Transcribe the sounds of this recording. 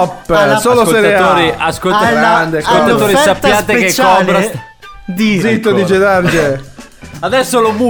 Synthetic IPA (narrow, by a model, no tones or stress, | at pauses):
ɔpːsoːlosɛɾeaoːɾiaskolt̪aand̪esolt̪at̪oːɾisapːjaːt̪eeket͡ʃːɔlɾa | d̪izit̪ːod̪id͡ʒed̪aɾd͡ʒe | ad̪ɛsːolobu